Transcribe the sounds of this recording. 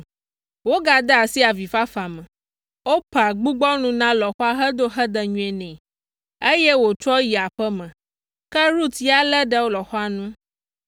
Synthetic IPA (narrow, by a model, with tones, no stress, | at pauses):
wo˦ɡa˨d̪a˦a˨si˦a˨vi˨fa˦fa˨mə̃˨ | wo˦pa˨ɡ͡bu˦ɡ͡bɔ˦nũ˦nã˦lɔ˨xɔ˦a˦ɦə˦d̪o˦ɦə˦d̪ə˦ɲũ˦ɛ˨nɛ̃˨ | e˦jɛ˦wo˨t͡ʃɔ˦ji˨a˨ɸə˦mə̃˨ | kə˦ɾu˦t̪i˦a˦lə˦ɖə˨wo˦lɔ˨xɔ˦a˦nũ˦